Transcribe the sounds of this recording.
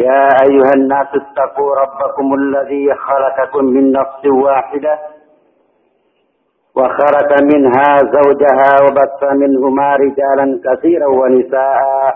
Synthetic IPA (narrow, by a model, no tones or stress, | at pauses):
jaːʔajːʊhanːaːsat̪ːɑquːɾˤɑbːakʊmalːaðiːxɑlɑkɑkʊmːɪnːɑfsˤwaːħɪd̪a | waxɑlɑkmɪnɦaːzawd͡ʒaɦaːwabaθːamɪnhʊmaːɾɪd͡ʒaːlankaθiːɾawanɪsaːʔaː